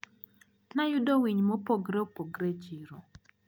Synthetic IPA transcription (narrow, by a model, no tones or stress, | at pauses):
najʊdowiɲmopoɡɾɛopoɡɾɛd͡ʒiɾo